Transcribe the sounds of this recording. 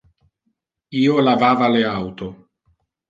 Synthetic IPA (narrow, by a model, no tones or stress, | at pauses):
iːolavaːvaleawt̪o